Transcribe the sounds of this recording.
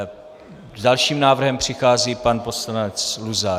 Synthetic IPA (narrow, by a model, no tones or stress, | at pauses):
zdalʃiːmnaːvr̩ɦɛmpr̝̥ɪxaːziːpanposlanɛt͡sluza